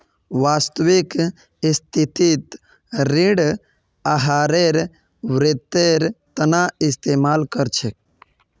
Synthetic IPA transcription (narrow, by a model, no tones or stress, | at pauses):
ʋaːst̪əʋik | st̪ʰit̪it̪ | ɾiɽ | aɦaːɾeɾ | ʋɾet̪ːeɾt̪ənaɪst̪eːmaːlkəɾt͡ʃʰek